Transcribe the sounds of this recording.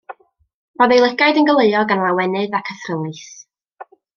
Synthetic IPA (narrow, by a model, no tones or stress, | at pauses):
ɔðejlˠəɡajdənɡəlˠeɨɔɡanlˠawɛnɨðakʰəθrəlˠɨθ